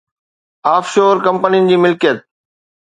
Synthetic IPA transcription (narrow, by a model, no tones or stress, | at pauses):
aːfʃoːɾkɐ̃mpənijənɪ̆d͡ʑiːmɪlkijət̪̚